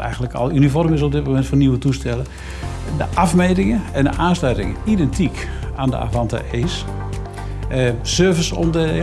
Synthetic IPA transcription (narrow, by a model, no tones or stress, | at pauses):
ɛ̰jɣəndləkɔ̰lˠynifɔrmɪs̬ɔb̚dɪt̚momɛntfɔniwətustɛlə | dəʔafmejtɪŋəɛndə̰ʔaːnslœɥtɪ̰ŋə̰idɛntʰik | aːndə̰ʔa̰fantə̰ʔɪs | sørvəsɔ̰ndəɪ